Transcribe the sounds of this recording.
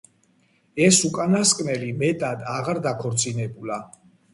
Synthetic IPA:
ɛsukʼanaskʼmɛlimɛt̪ʼad̪aʁaɾd̪akʰɔɾt̪sʼinɛbula

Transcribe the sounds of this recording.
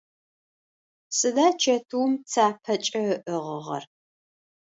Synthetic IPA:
sɨdaːt͡ʃʰɐtʰuwmt͡sʰaːpʰɐt͡ʃʼɐəʔɨʁə̰ʁɐ̰r

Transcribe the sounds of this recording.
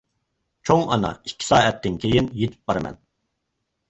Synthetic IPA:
t͡ʃʰoŋɑ̰nɑ̰i̥kʲʰːi̥sɑːɛt̪ʰːɪnkʲʰejinjet̪ʰɪ̥p̚bɑɾɨmɛ̰n

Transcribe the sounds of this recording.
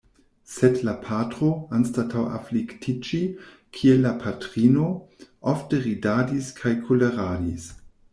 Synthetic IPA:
sedlapʰatʁoanstatʰawa̰fliktʰit͡ʃi | kʰielːapʰatʁino̞ʔofteʁidadiskʰajkʰoleʁadis

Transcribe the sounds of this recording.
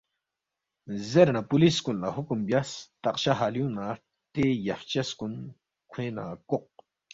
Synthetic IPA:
zeɾnapuliskunlaɦukumbjast̪ɐqɕaɦaːljũna | t̪ejɐft͡ɕɐskun | kʰwẽːna̰koq̚

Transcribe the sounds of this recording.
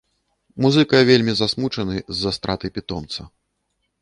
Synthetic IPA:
muzɨkɐjvʲelʲmʲizasmut͡ʂɐnɨzːast̪ɾat̪ɨpʲit̪ɔmt̪sɐ

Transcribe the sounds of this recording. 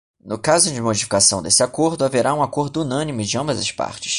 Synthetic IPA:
nʊkazʊd͡ʒɪmod͡ʒifi̥kasɐ̃w̃d̪esɪakoɾd̪ʊaveɾʔaũakoɾd̪ʊunɐ̃nimʊd͡ʒɪɐ̃mbɐzɐ̰ʃpa̰ɾt͡ʃɪ̥s

